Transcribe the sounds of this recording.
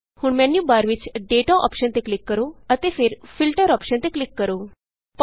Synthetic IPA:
huːɳmɛnjubaɾʋit͡ɕɖeʈaʔɔ̰pʃənt̪eklɪkːəɾoət̪efeɾfilʈəɾɔːpʃənt̪eklɪkːəɾo | p

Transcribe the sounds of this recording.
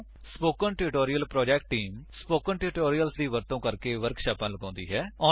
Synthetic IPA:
spoːkənʈɪɾɪʈoːɾijəlpɾɔːd͡ʒɛːkʈːiːmspoːkənʈɪɾɪʈoːɾijəlsd̪iːʋəɾt̪õːkəɾkeːʋəɾkʃaːpãːləɡãːnd̪ḭːɦɛːɔː

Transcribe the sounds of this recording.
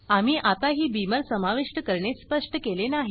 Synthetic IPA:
amiːʔat̪aɦiːbiməɾsəmaʋiʂʈəkəɾɳespəʂʈəkelenaɦi

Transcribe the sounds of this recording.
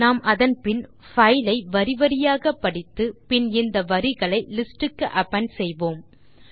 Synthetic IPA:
naːmʔɐðɐnpɪn | fɐjlɐɪʋɐɾɪʋɐɾɪjaːɣɐpːɐɽɪt̪ːɯpɪnɪnd̪ɐʋɐɾɪɣɐɭɐɪlɪsʈɯkːɯʔɐpːɐnsɛjʋoːm

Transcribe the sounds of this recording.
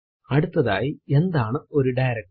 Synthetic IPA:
ɐɽut̪ːɐða̰ːjie̞nd̪aːɳɨo̞ɾuɖɐjɾɐk̚ʈ

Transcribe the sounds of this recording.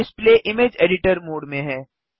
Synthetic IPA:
ɪspleːʔɪmeːd͡ʒeːɖɪʈəɾmoːɖmẽɦɛ̃ː

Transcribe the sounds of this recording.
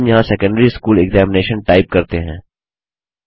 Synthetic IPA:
mjɐɦãsɛːkə̃ɳɖɾiskuːlɛɡzɛːmɪneːʃənʈaːɪp̚kɐɾt̪eɦɛ̃ː

